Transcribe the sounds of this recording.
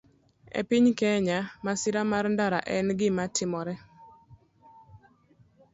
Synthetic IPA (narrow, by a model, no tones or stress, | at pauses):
ɛ̰pɪɲkɛɲamasɪɾamarndaɾa̰ʔɛnɡɪmatɪmɔɾɛ